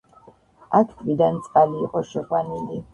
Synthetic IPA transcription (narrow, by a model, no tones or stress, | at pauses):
akʰkʰvid̪ant̪sʼqʼaliːqʼɔʃɛʁwanili